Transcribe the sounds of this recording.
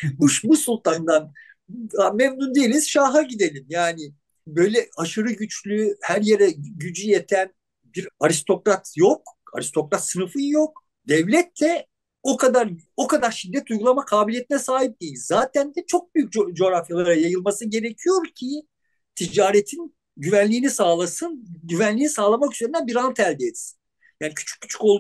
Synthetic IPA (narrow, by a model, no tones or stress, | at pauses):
uʃbusulˠt̪ʰand̪an | amɛmnund̪ejelʲiz̥ʃaɦaɟid̪e̞lʲimjaːnɪ | bøjlʲɛaʃɯɾɯɟyt͡ʃlʲyhæɾjeɾɛɟyd͡ʒyjet̪ʰæn | biɾaɾist̪ʰo̞kɾat̪ʰjoka̰ɾist̪ʰo̞kɾat̪sɯnɯfɯjjo̞k̚ | d̪ɛvlʲɛt̪ʰːɛ | okʰad̪aɾo̞kad̪aɾʃid̪ːɛt̪ujɡulˠamakʰaːbilʲjet̪ʰinɛsaːɦip̚d̪̥ejilʲzaːt̪ʰænd̪ɛt͡ʃʰo̞k̚byjyc̚d͡ʒo̞ɾafjalˠaaɾajajɯlˠmasɯɟe̞ɾecʰijo̞ɾcʰi | t̪ʰid͡ʒaːɾet̪ʰin | ɟyvænlʲiːnisaːlˠasɯnɟyvænlʲiːnisaːlˠamakyze̞ɾind̪ænbiɾant̪ʰælʲd̪ɛːt̪si̥n | jaːnicʰy̥t͡ʃʰy̥cːy̥t͡ʃʰy̥kolˠ